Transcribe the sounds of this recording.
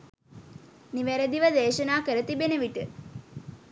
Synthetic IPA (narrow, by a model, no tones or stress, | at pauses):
niʋæɾəd̪iʋəd̪eːʃənaːkəɾət̪ibenəʋiʈə